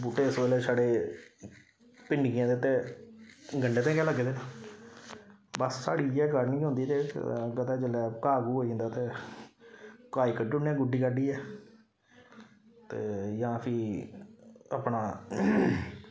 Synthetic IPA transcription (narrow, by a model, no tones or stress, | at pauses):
buːʈːeːɪsʋeːlɛːsaːɽeː | pɪɳɖiːjãːd̪eːʊt̪ːeː | ɡəɳɖeːt̪ẽːkɛːləɡeːd̪eːnaː | bəsːaːɽiːɛːkəɾnĩːɦʊ̃nd̪iːt̪eːkət̪ɛːd͡ʒəlɛːkaːɡuːɦoːĩːnd̪aːt̪eː | kaːiːkəɖʊnːɛːɡʊɖiːkəɖiːɛː | t̪eːjãːpʰi | a̰ːpnaː